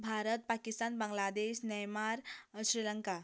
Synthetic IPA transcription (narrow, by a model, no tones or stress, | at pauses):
bʱaɾət̪̚pakist̪anbə̃ŋɡlad̪eɕnəjmaɾɕɾiləŋka